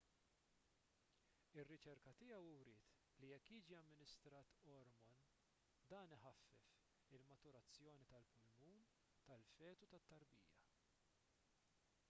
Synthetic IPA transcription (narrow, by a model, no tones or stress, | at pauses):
ɪrːɪt͡ʃɛɾkɐt̪ɪjɛwwɾɪːt̪ | lijɛkːjiːd͡ʒiɐmːɪnɪst̪ɾɐːt̪ɔɾmɔn | d̪ɐːnɪħɐfːɛf | ɪlmɐt̪ʊɾɐt͡sːjɔːnit̪ɐlpʊlmuːm | t̪ɐlfɛːt̪ut̪ɐt̪ːɐɾbḭːjɐ̰